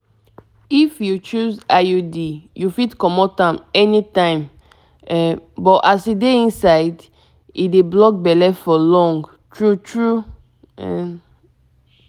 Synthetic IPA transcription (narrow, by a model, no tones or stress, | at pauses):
ifjut͡ʃuzajudijufitkɔmɔtãmɛnitãɪ̃m | ɛbɔtasideĩnsaɪd | ḭdeblɔk̚bɛlɛfɔlɔ̃ŋɡ | tɹutɹu | ɛ